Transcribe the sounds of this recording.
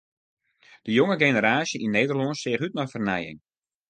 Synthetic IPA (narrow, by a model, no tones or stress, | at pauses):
d̥əjʊŋəɡejnəɾaːsjəinːejdərlɔnsɪːχyt̚mɔjfərnɛjɪ̰ŋ